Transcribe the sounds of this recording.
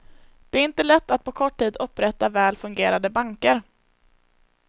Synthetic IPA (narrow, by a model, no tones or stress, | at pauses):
d̪̥ɛæɾɪnt̪əlɛt̪ːat̪̚pʰɔkʰɔʈʰːiːd̪ɵpːɾɛt̪ːavɛːlfɵŋɡeːɾad̪əbaŋkəɾ